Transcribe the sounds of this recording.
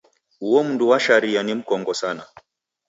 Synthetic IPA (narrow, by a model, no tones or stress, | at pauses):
uwɔm̩nduwaʃaɾianim̩kɔŋɡɔsana